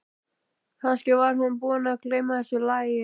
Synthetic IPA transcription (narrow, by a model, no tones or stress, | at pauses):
hanscɛvaɾɦunpunaklejmaðɛsʏlajɪ